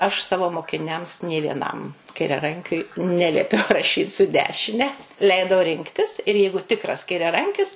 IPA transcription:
ɐʃ ˈsɑːʋoː moːkʲɪˈnʲɛms nʲeː ʋʲiɛˈnɐm kɐɪrʲɛˈrɐŋʲkʲʊɪ ˈnʲæːlʲiɛpʲɛʊ rɐˈʃʲiːt sʊ ˈdʲæːʃʲɪnʲɛ ˈlʲɛɪdɐʊ ˈrʲɪŋktʲɪs ɪr ˈjɛɪɡʊ ˈtʲɪkrɐs kɐɪrʲɛˈrɐŋʲkʲɪs

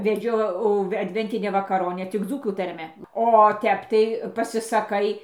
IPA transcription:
ʋʲɛˈd͡ʒʲɛʊ ɐdʲˈʋʲɛnʲtʲɪnʲæː ʋɐkɐˈroːnʲæː tʲɪk ˈd͡zuːkuː tɐrʲˈmʲɛ oː ˈtʲɛp tɐɪ pɐsʲɪsɐˈkɐɪ

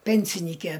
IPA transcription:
ˈpʲɛnʲsʲɪnʲiːkʲɛ

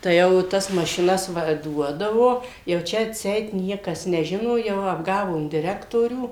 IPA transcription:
tɐɪ ˈjɛʊ ˈtɐs mɐʃʲɪˈnɐs ˈʋɐ ˈduɔdɐʋoː jɛʊ ˈt͡ʃʲɛ ɐtʲˈsʲɛɪt ˈnʲiɛkɐs nʲɛˈʒʲɪnoː ˈjɛʊ ɐbˈɡɑːʋoːm dʲɪˈrʲæːktoːrʲuː

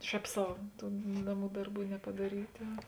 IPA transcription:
ˈʃʲɛːp ˈsɐʊ ˈtuː ˈnɑːˌmuː ˈdɐrˌbuː nʲɛpɐdɐˈrʲiːtɐ

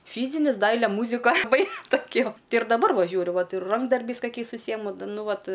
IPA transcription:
ˈfʲiːzʲɪnʲɪs ˈdɐɪlʲɛ ˈmuːzʲɪkɐ ɐˈbɐɪ toːˈkʲoː ˈtʲɪ ɪr dɐˈbɐr ˈʋɐ ˈʒʲuːrʲʊ ˈʋɐt ɪr ˈrɐŋɡdɐrʲbʲɛɪs kɐˈkʲɛɪs ʊʃʲˈsʲiːjɛmʊ dɐ ˈnʊ ˈʋɐt

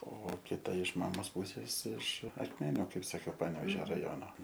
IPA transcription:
oː kʲɪˈtɐ ɪʃ ˈmɑːmoːs ˈpʊsʲeːs ɪʃ ɐkˈmʲæːnʲʊ ˈkɐɪp sɐˈkʲɛʊ ˈpɑːnʲɛʋʲɛʒʲoː rɐˈjoːnoː

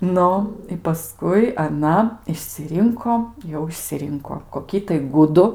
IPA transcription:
ˈnʊ ɪ pɐˈskʊɪ ɐˈnɐ ɪʃʲsʲɪˈrʲɪŋkoː ˈjɛʊ ɪʃʲsʲɪˈrʲɪŋkoː koːˈkʲiː tɐɪ ˈɡʊdʊ

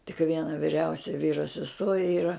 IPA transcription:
tʲɪk ˈʋʲiɛnɐ ʋʲɪˈrʲɛʊsʲɛ ˈʋʲiːroː sʲɛˈsuɔ ˈiːrɐ

